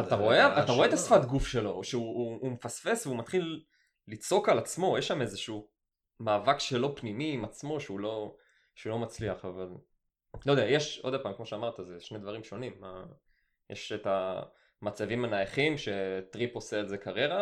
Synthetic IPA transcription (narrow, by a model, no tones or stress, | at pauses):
at̪aʁo̞eaat̪aʁoet̪asfat̪ɡufʃe̞lo̞ʃeuːmefasfe̞sveumat̪χilː | it͡so̞kalat͡smo̞jeʃamezeʃu | maːvakʃelo̞pnimiːmat͡smo̞ʃeulo̞ | ʃeulo̞mat͡sliaχaval | lojd̪eajeʃod̪apaːmkmo̞ʃeamaʁt̪azeʃned̪vaʁimʃo̞nimːa | jḛʃet̪a | mat͡savimanajaχimʃe̞t̪ʁiposeːlze̞kaʁeʁa